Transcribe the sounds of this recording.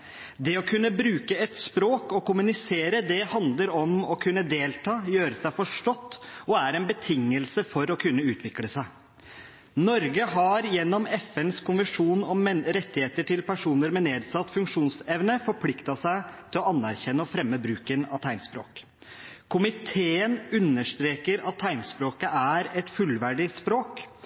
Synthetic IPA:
d̪ɛɔkʰʉnːəbɾʉːkəɛt̪spɾoːkɔkʊmʉnɪseːɾəd̪ɛhɑnd̪ləɾɔmɔkʰʉnːəd̪eːlt̪ʰɑːjøːɾəsæɪfɔʂʈɔt̪ːɔæɾɛnbət̪ʰɪŋːəlsəfɔɾɔkʰʉnːəʉːt̪ʰʋɪkləsæɪ | nɔɾɡəɦɑɾjɛnːɔmɛfɛnskʰʊnʋəʂuːnɔmɾɛt̪ːɪheːt̪əʈʰɪlpæʂuːnəɾmɛneːd̪sɑt̪ːfʉŋkʂuːnsɛʋnəfɔɾpʰlɪkt̪ɑsæɪt̪ʰɪlɔɑnːæɾçɛnːəɔfɾɛmːəbɾʉːkənɑ̰t̪ʰæɪnspɾo̰ːk | kʰʊmɪt̪ʰeːənʉnːəʂt̪ɾeːkəɾɑt̪ʰːæɪnspɾoːkəʔæɾɛt̪fʉlʋæɖɪspɾoːk

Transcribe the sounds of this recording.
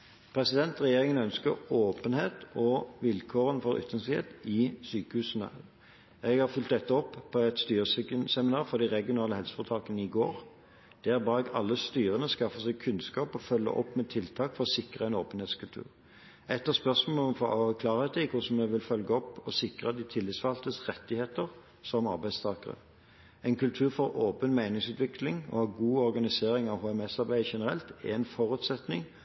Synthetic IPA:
pʰɾɛsɪd̪ɛnt̪ʁɛjeːʁɪŋənœnskəɾoːpənheːt̪ɔʋɪlkʰoːʁənfɔɾʏ̰t̪ʰːənshḛːt̪ɪsyːkəhʉːsənə̰ | ɛɡhɑʁfʏlt̪̚d̪ɛt̪ːəɔpːpʰːɔɛt̪st̪yːʁəskənsɛmɪnɑːɾfɔʁd̪ɪʁɛɡɪʊnɑːləhɛlsə̥fɔt̪ʰɑːkənəɪɡoːʁ | d̪̥ɛːæɾbɑːɾɛɡɑ̰lːəst̪yːʁənəskɑfəsɛɡ̚kʰʉnskɑːpɔfœlːə̰ʔɔ̰pːmɛt̪ʰɪlt̪ʰɑːkfɔʁɔsɪkʁəɛnoːpənheːt̪skʉlt̪ʰʉ̰ːʁ | ɛt̪ːəʁspœʁsmoːɔmfo̰ɑkʰlɑːʁəət̪ʰɪkʰʊsɔmːɛʋɪlfœlɡəɔpːɔsɪkʁəd̪ɪt̪ʰɪlːɪt̪sʋɑlt̪əsʁɛt̪ːɪheːt̪əʁ | sɔmɑ̰ɾbæɪst̪ʰɑːkəʁə̰ | ɛɪnkʉlt̪ʰʉːʁfɔɾoːpənmæɪnɪŋsʉːt̪ʋɪklɪŋɔ̰hɑɡuːɔɾɡɑnɪseːɾɪŋɑʋhoːɛmɛsɑɾbæɪəʃɛnəɾɛ̰lt̪ɛ̰ɛnfɔʁʉt̪sɛt̪nɪ̰ŋ

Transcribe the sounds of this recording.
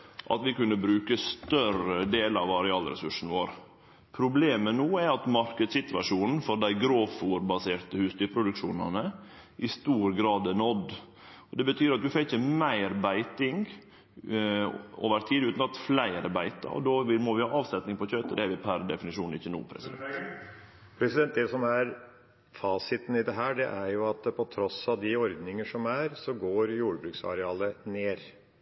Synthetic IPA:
ʔɑ̰t̪ʋɪkʉnːəbɾʉːkəst̪œɾəd̪eːlɑʋɑɾɛɑːlɾɛ̰sʉʂn̩ʋo̰ːɾ | pʰɾʊbleːmənuːæɾɑt̪mɑɾkəd̪sɪt̪ʋɑ̰ʂuːnn̩fɔɾd̪æɪɡɾoːfuːɾbɑseːɾt̪əhʉːst̪ʏpʰɾʊd̪ʉkʂuːnɑ̰nə | ʔɪst̪uːɾɡɾɑːd̪ɛnɔd̪ | ɔd̪ɛbət̪ʰyːɾɑt̪̚d̪ʉfɛçəmæɪɾbæɪt̪ɪŋɡ | o̰ːʋəɾt̪ʰiːd̪ʉːt̪nɑt̪flæɪɑɾbæɪt̪ə̰ɔ̰d̪oːʋɪmɔʋɪhɑːɑːʋsɛt̪nɪŋpɔçœt̪əd̪ɛæɾʋɪpʰæɾd̪ɛfɪnɪʂuːnɪçːənṵːpʰɾɛ̰sɪd̪ɛ̰n | pʰɾɛsɪd̪ɛnt̪d̪ɛsɔmæɾ | fɑːsɪt̪n̩ɪd̪ɛɦæːɖɛʔæɾjʊɑt̪̚pʰɔt̪ʰɾɔsɑʋd̪ɪɔɾd̪nɪŋəʂɔmæɾsɔɡoːɾjuːɽəbɾʉːksɑ̰ɾɛɑːləneːɾ

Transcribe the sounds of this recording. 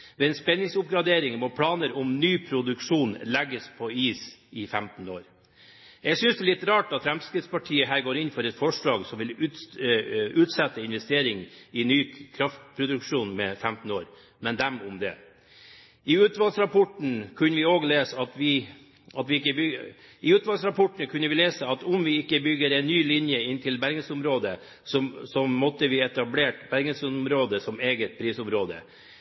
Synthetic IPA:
d̪ɛɛnspɛnːɪŋsʊp̚ɡɾɑd̪eːɾɪŋmɔpʰlɑːnəɾʊmnyːpʰɾʊd̪ʉkʂuːnlɛɡːəspʰɔiːsʔɪfɛmt̪noːɾ | jɛɡsʏnsd̪ɛlɪt̪ːɾɑːʈɑt̪fɾɛmskɾɪd̪spɑʈʰiːəɦæːɾɡoːɾɪnfɔɾɛt̪fɔʂɭɑːɡsɔmʋɪlː | ʉːt̪sɛt̪ːəɪnʋɛst̪eːɾɪŋɪnyːkʰɾɑft̪pʰɾʊd̪ʉkʂuːnmɛfɛmt̪n̩oːɾ | mɛnd̪ɛmʊmd̪ɛ̰ | ɪʉːt̪ʋɑlsɾɑpʰɔʈɳ̩kʰʉnːəʋɪoːɡleːsəɑt̪ʋɪ | ʔɑt̪ʋɪɪkːəbʏ | ɪʉːt̪ʋɑlsɾɑpʰɔʈɳ̩kʰʉnːəʋɪleːsəɑt̪ʊmʋɪɪkːəbʏɡːəɾɛnːyːlɪnjəɪnt̪ʰɪlbæɾɡəsʊmɾoːd̪ə | sɔsɔmɔt̪ːəʋɪɛt̪ɑbleːʈbæɾɡəsʊmɾoːd̪əsɔmeːɡət̪̚pʰɾiːsʊmɾoːd̪ə̰

